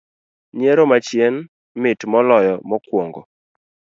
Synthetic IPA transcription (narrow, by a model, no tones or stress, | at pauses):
ɲeɾomat͡ʃjen | mɪtmɔlɔjɔmɔkwoŋɡo